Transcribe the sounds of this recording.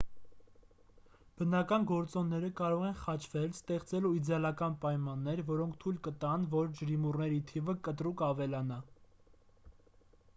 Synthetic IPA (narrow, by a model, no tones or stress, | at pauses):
b̥ənɑkɑnɡɔɾt͡sɔnːɛɾəkɑɾɔʁɛnχɑt͡ʃʰvɛlst̪ɛχt͡sɛluid̪ɛɑlɑkɑnpɑjmɑnːɛɾvɔɾɔŋkʰt̪ʰujlkət̪ɑnvɔɾd͡ʒəɾimurnɛɾit̪ʰivəkət̪ɾukɑvɛlɑnɑ